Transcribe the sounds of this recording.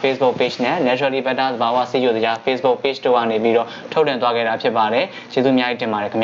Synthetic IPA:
pesbʊʔpet͡ʃnɛ̃nɛtɛlibɛt̪ːad̪əbawa̰sijozəd͡ʑapʰesb̥ʊʔpet͡ʃto̰ɡä̰nep̬iɾɔ̰tʰoʊʔlːɪ̃t̪waɡɛ̰ɾapʰjɪpːaɾɛ | t͡ɕezṵmjajitɪ̃mbaɾɛkʰmja

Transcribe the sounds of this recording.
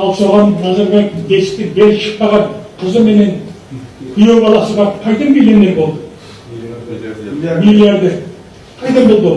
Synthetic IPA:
ɑlˠsoʁɑnnɑzɑɾbɑjt̪̚d̪e̞sɪ̥t̪ɪbeɾʃə̥q̚pɑʁɑnqʰəzəme̞ne̞n | bʰije̞wbɑlˠɑsəbɑɾəpqʰɑjt̪ənbʲelenːenbo̞lˠd̪ə | milaɾd̪e | qʰɑjt̪ɑmbolˠd̪ə

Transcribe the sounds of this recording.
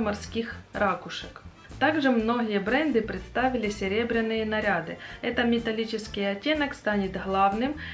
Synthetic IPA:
mɐrskʲixɾakʊʂək | t̪aɡʐɨmno̞ɣʲɪjəbɾɛnd̪ɨpɾʲɪt̪st̪avʲɪlʲɪsʲɪɾʲebɾʲɪnːɨjənɐɾʲad̪ɨɛt̪əmʲɪt̪ɐlʲit͡ɕɪskʲɪjɐtʲːenəkst̪anʲɪt̪ɦlˠavnɨm

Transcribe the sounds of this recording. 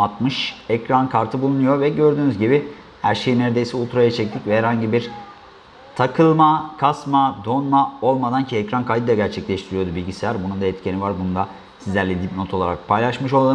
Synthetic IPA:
at̪mɯʃɛcɾankʰaɾt̪ʰɯbulˠunujo̞ɾvɛɟø̞ɾd̪yːnyzɟibi | hæɾʃejinæɾd̪ejisɛulˠt̪ɾajat͡ʃʰɛc̚t̪ʰicvɛɦæɾhaɲɟibiɾ | t̪ʰakʰɯlˠmakʰasmad̪o̞nmao̞lˠmad̪ancʰiɛcɾankʰajd̪ɯd̪aɟæɾt͡ʃʰɛclʲɛʃt̪ʰiɾijo̞d̪ubilʲɟisilʲæɾbunund̪aɛt̪cʰenivaɾbunund̪a | sizlʲæɾlʲɛd̪ipno̞t̪ʰo̞lˠaɾak̚pʰajlˠaʃmɯʃo̞lˠd̪a

